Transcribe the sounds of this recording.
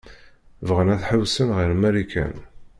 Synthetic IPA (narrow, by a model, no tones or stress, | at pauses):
vʁənæθħəwsənʁiɾmæɾikæ̰n